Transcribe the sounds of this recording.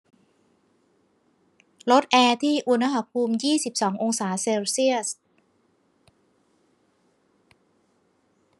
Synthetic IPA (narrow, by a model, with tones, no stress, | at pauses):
lo˦˥t̪̚ʔɛː˧t̪ʰiː˥˩ʔu˧na˦˥ɦa˧˩pʰuː˧mjiː˥˩si˨˩p̚sɔː˩˦ŋʔo˧ŋsaː˩˦seː˧wsi˥˩əs